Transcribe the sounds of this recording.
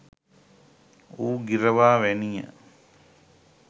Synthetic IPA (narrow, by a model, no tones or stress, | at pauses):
uːɡiɾəʋaːʋænijə̰